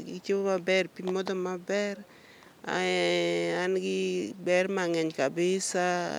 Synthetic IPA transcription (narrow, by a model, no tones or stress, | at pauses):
ɡɪt͡ʃibomabɛrpimɔd̪ɔmabɛɾ | a̰ | anɡɪbɛrmaŋɛɲkabɪsa